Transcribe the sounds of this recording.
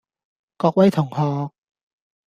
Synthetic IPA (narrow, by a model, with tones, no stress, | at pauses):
kɔː˧k̚wɐ˦˥jt̪ʰʊ˨˩ŋhɔː˧k̚